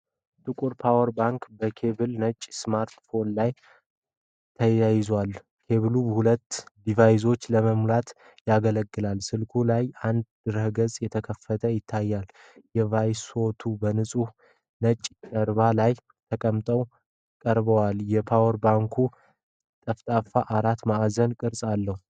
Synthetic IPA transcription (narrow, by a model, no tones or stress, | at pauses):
t̪ʼɨkʼuɾpʰawəɾbaŋkbəkʰe̞bɨlnət͡ʃʼːsmaɾt̪fo̞nlaj | t̪ʰəjajɪzwal | kʰe̞βɨlubhulət̪ːd̪ivajzo̞t͡ʃːləməmlat̪ | jaɡələɡːɨlalsɨlkʰulajand̪d̪ɨɾəhɡəzʼjɛt̪ʰəkʰəfːət̪ʰəjɪt̪ʰːajːal | jɛvajso̞t̪ʰubənɨsʼuh | nət͡ʃʼːkʼəɾβalaj | t̪ʰəkʼəmt̪ʼəw | kʼəɾbəwaljɛpʰawəɾbaŋkʰu | t̪ʼəft̪ʼafaʔaɾat̪maʔazənkʼɨɾsʼalːəhu